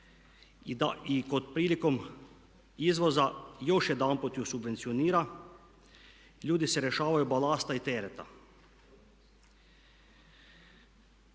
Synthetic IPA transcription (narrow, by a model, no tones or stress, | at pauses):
ikot̪̚pɾiːlikom | izʋozajoʃjɛd̪aːnpɔt̪jusubʋent̪sioniːɾa | ʎuːd̪isɛɾɛʃaːʋajubalaːst̪ait̪eːɾɛt̪a̰